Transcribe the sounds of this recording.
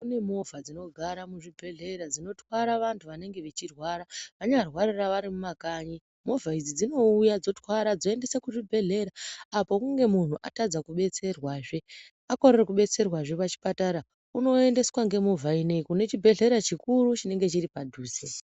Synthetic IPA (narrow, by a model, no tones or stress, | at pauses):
kune̞mo̞vʱad͡zino̞ɡʱaɾamuʐibʱe̞ɮe̞ɾad͡zino̞twaɾaʋantʰuʋane̞ŋɡe̞ʋet͡ʃirwaɾaʋaɲarwaɾiraʋaɾimumakaɲi | mo̞vʱaid͡zid͡zino̞ujad͡zo̞twaɾad͡zo̞ende̞sekuʐibʱe̞ɮe̞ɾaːpo̞kuŋɡe̞mun̤uʔa̰tad͡zakuɓe̞t͡se̞rwaːʐe̞ | ako̞rerekuɓe̞t͡se̞rwaʐe̞pat͡ʃi̥pataɾa | uno̞e̞nde̞swaŋɡemovʱainekune̞t͡ʃibʱe̞ɮe̞ɾat͡ʃikurut͡ʃine̞ŋɡe̞t͡ʃiripadʱuːze